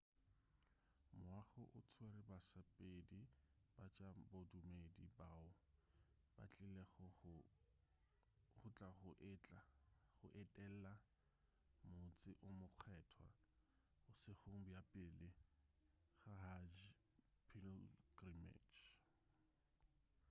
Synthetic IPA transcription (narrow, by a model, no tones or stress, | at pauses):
mʊaχʊʔʊt͡sʰweɾɪbasapʼedib̥at͡ʃʼabodumedibaʊ | b̥a̰t͡ɬʼɪle | χʊt͡ɬʼaχʊʔt͡ɬaχʊʔɪtʼɛl̩la | mʊt͡sʼɪʔʊmʊq͡χʰɛːtʰwa̰ | ʊsɪχoŋ̩bjapʼɪlɪ | χaɦad͡ʒ | pʰilɡrimḛt͡ʃ